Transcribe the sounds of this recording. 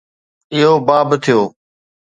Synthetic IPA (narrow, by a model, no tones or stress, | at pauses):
ɪɦoːbaːbt̪ʰɪjoː